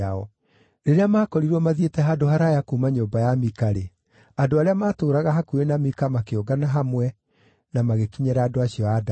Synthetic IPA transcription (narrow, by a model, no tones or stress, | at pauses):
aɔ | ɾeɾeamaːkɔɾiɾwɔmaðetɛɦadohaɾajakumaɲoːmbajamikaɾe | adoaɾeamaːtoːɾaɣaɦakuɾenamikamakeoɡanaɦamwɛ | namaɣekiɲɛɾaaːdoaɕiɔada